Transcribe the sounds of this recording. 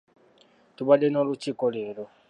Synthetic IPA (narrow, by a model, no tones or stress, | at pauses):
tuβadenolucikolelo